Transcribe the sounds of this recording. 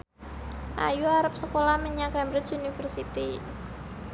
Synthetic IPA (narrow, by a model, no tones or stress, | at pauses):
ʔa̰juaɾap̚səkolahməɲakɛmbɾɪt͡ʃunifərsit̪i